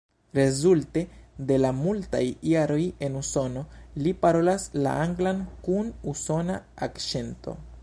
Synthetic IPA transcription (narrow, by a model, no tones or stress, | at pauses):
ɾe̞zulte̞de̞lamulta̰jjaɾo̞je̞nuso̞no̞lipaɾo̞lasla̰ʔaŋɡlankunuso̞naakʃe̞nto̞̰